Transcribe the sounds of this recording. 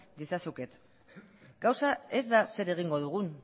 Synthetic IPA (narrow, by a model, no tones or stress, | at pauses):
d̪isasuket̪ | ɡ̥awsae̞zd̪ase̞ɾe̞ɣiŋɡo̞ð̞uɣ̞un